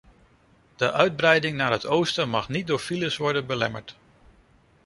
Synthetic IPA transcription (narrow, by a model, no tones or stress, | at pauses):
d̥əʔœɥd̚brɛjdɪŋnaːɹɦətowstəmɑχnit̚dʊːɹfiləsʋɔɹdənbəlɛməɹt